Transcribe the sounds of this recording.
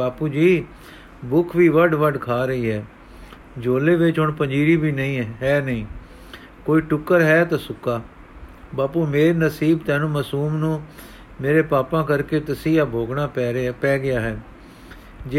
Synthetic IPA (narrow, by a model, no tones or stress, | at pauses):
aːpuːd͡ʒiː | bʊkʰʋiːʋəɖʋəɖkʰaːɾəiːɦɛː | d͡ʒoːleːʋɪt͡ʃɦʊɳpəɲd͡ʒiːɾiːbiːnəĩːɦɛːnəĩː | koːiːʈʊkːəɾɦɛːt̪aːsʊkaː | baːpuːmeːɾenəsiːbt̪ɛ̃ːnũːməsuːmnũː | meːɾeːpaːpãːkəɾkeːt̪əsiːaːbʱoːɡɳaːɛpɛːɡɪaːɦɛː | d͡ʒ